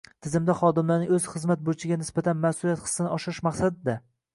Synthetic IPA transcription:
t̪ʰɪzɪmd̪aχɒd̪ɪmlaɾnɪŋɵz̥χɨzmat̪̚bot͡ʃʰɪɡʲanɪsbat̪ʰanmasʊljat̪χɨ̥sːɪnɪɒʃɪɾɪʃmaχsad̪ɪd̪a

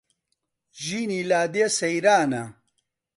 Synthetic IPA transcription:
ʑiːnilaːd̪esɐjɾaːna

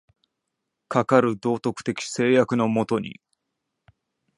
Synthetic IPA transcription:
kakaɾɯ̟d̪o̞ːt̪o̞kɯ̥t̪e̞kʲi̥se̞ːjakɯ̟no̞mo̞t̪o̞ɲ̟ḭ

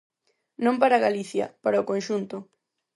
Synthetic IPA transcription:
nõmpaɾaɣaliθjɐ̰paɾaokõnʃunt̪ʊ

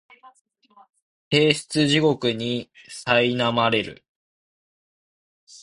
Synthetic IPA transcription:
he̞ːɕt͡sɨʑiɡo̞kɯ̟ɲ̟isainamaɾe̞ɾɯ̟̰

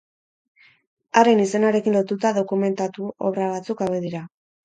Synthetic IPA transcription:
aɾe̞nise̞naɾe̞kinlo̞t̪ut̪aðo̞kume̞nt̪at̪uo̰βɾaβ̞at͡sukaβeðiɾa

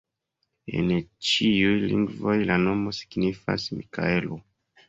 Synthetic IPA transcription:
e̞̰nt͡ʃiujlḭŋɡvo̞jlano̞mo̞si̥ɡnifa̰smika̰elo

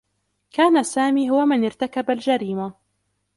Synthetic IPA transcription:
kaːnasaːmiːɦʊwamɪnɪɾt̪akabald͡ʒaɾiːma

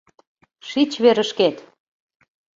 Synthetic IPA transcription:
ʃit͡ɕβeɾəʃket̪

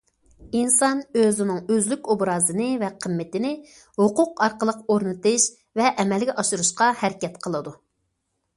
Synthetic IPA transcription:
insɑnøzɪnɪŋøzlykʲobɾɑːzɨnɨvɛqʰəmːɪt̪ɪnɪ | hʊqʊqɑɾqəlˠəqoɾnɨt̪ɨʃ | vɛʔɛmɛlɡʲɛʔɑʃuɾuʃqɑhɛɾɪkʲɛt̪qʰəlˠɨd̪u

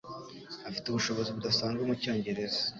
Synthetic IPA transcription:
afiteuβuʃo̞βo̞ziβudasaːŋɡwemuco̞ːɲɟe̞ɾe̞zḁ

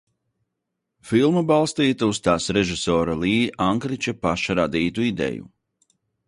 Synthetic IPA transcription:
filˠmabalˠst̪iːt̪aust̪aːsɾɛʒisɔːɾalˠiːʔaŋkɾit͡ʃapaʃaɾad̪iːt̪uid̪ɛ̰jṵ

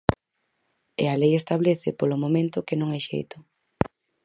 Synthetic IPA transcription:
ḛalejest̪aβleθɪpolomomẽnt̪ʊkɪnõŋajʃḛjt̪ʊ̥

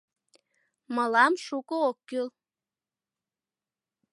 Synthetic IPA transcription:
mɤlˠɑmʃukookːylˠ

